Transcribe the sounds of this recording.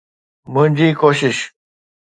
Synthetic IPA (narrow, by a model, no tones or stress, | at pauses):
munʲd͡ʑiːkoɕiɕ